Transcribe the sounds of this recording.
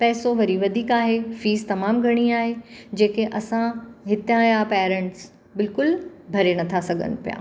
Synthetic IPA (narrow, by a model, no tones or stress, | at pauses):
pɛːsoʋɐɾiʋɐd̪ʱiːkaːɦefiːst̪ɐmaːmɡʱɐɽ̃iaːɦed͡ʑeːkeʔɐsãɦɪt̪jãjapɛːɾẽɳʈs | bɪlkʊl | bʱɐɾenɐt̪ʰasɐɡʱə̰nʊpija̰ː